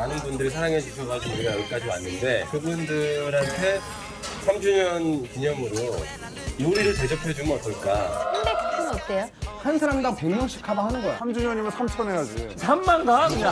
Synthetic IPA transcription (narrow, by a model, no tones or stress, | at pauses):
anɯnbundɯɾisʰaɾaŋent͡ɕisʰʌɡakuɡiɾaʌɡik͈ad͡ʑima̰nːɯnde̞kɯbundɯɾantʰe̞ | sʰamd͡ʑuɲʌnkiɲʌmɯɾo | moɾiɾɯɭte̞d͡ʑʌpʰjʌd͡ʑumɯnʌt͈ʌɭk͈akandektʰɯnʌk͈eohansʰaɾamdaŋpeŋmʌŋɕʰi̥kʰabahanɯnɡʌjḛsʰamd͡ʑuɲʌɲimɯɭsʰamt͡ɕʰʌmeʌd͡ʑisʰamːanɡakɯɲa